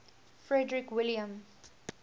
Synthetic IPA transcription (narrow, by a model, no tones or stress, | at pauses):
fɹɛdɹikwɪlijə̃m